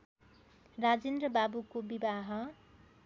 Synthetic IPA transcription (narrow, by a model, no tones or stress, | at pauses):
rad͡zend̪rʌbabukobibaɦʌ